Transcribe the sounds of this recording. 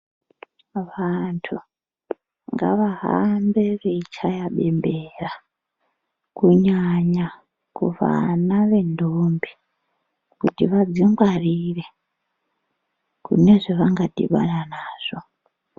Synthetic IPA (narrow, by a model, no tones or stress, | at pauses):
ʋantʰu | ŋɡa̰ʋaɦa̰mbe̞reit͡ʃʰajaɓe̞mbera | kuɲaɲa | kṵʋa̰naʋe̞ndʱombi | kutiʋad͡ziŋɡwariːre | kṵne̞ʐeʋaŋɡadḭɓa̰nanaːʐ̥o